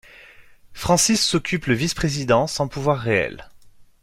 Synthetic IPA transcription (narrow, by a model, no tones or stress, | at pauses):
fχɑ̃sisːɔkʲʰypləvispχezid̪ɑ̃sɑ̃puvwaʁːeɛ̰l